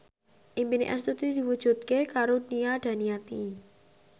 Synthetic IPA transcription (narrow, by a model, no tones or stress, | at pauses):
ʔimbinḛʔɛ̰st̪ut̪id̪̥i̤wud̥ʒ̥ṳt̪̚kekaɾoniad̪̥ä̤nijat̪i